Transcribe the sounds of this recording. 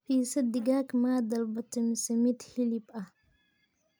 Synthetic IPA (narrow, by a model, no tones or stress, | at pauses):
piːsɐd̪ɪɡaːkmaːd̪ɐlbɐt̪ɐmɪsɐmɪt̪hɪlɪbɐ